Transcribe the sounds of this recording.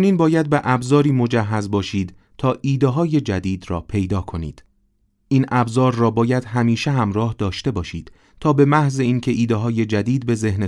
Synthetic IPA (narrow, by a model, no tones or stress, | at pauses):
niːnbɒːjæd̪̚beʔæbzɒːɾiːmo̞d͡ʒæɦːæzbɒːʃiːd̪̥ | t̪ʰɒːʔiːd̪eɦɒːje̞d͡ʒæd̪iːd̪rɒ̰ːpʰe̞jd̪ɒːkʰo̞nḭːd̪̥ | ʔiːnʔæbzɒːɾːɒːbɒːjæd̪̥hɦæmiːʃeɦæmɾɒːhd̪ɒːʃt̪e̞bɒːʃiːd̪̥ | t̪ʰɒːbe̞mæhze̞iːncʰe̞ʔiːd̪eɦɒːje̞d͡ʒæd̪iːd̪̚be̞ze̞hne